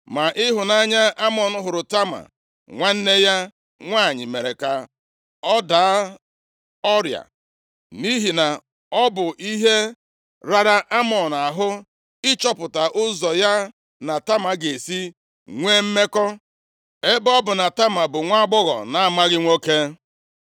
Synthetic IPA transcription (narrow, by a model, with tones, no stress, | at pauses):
ma˨ʔɪ˦ɦʊ˨na˦ɲa˦a˦mɔ˨n̩˨ɦʊ˨ɾʊ˨ta˦ma̰˨ | ŋʷa˦n̩˦ne˦ja˦ | ŋʷa˦˨ɲɪ̰˨me˨ɾe˨ka˨ | ɔ˦daː˨˦ | ɔ˦ɾja̰˨ | ni˦ɦi˨na˨ | ɔ˦bʊ˨ʔi˦ɦe˦ | ɾa˦ɾa˦ʔa˦mɔ˨n˨a˨ɦʊ˦ | ɪ˦t͡ʃɔ˦pʊ˨ta˨ʔʊ˦zɔ˨ja˦ | na˨ta˦ma˨ɡe˨si˦ | ŋʷeː˦m̩˦me˦kɔ˦ | e˦bɔ˦bʊ˨na˨ta˦ma˨bʊ˨ŋʷa˦ɡ͡bɔ˦ɣɔ̰˨na˦ma˦ɣɪ˦ŋʷo˦ke˦